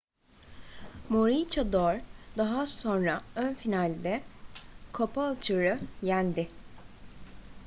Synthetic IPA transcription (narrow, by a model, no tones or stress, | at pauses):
moɾit͡ʃʰad̪oɾd̪aɦasonɾaønfinalʲd̪ɛ | kʰopalˠt͡ʃʰɯɾɯjænd̪ɪ